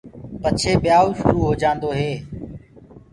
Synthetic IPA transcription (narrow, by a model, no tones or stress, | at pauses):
pət͡ʃʰeːɓɪjaːoʃʊ̰ɾuːɦoːd͡ʒãːnd̪oːɦeː